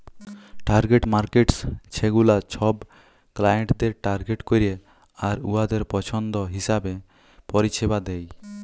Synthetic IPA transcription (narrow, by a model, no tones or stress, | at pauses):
ʈaɾɡeʈmaɾkeʈst͡ʃʰeɡulat͡ɕʰɔb | klajeɳʈd̪eɾʈaɾɡeʈkoɾie | aɾuad̪eɾpɔt͡ʃʰɔnd̪ɔɦisabe | pɔɾiʃebad̪ɛj